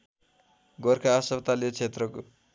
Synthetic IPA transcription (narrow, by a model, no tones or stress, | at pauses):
ɡʌrkʰaːsʌbt̪aljot͡sʰet̪rʌko